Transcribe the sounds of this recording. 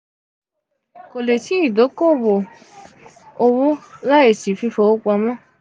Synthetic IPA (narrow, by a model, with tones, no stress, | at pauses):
ko˨le˨ti˨˦i˦˨do˨˦ko˦˨wo˨ | o˧wo˦la˦e˨si˨fi˧fo˧˨o˦k͡pɔ˧mɔ̃˦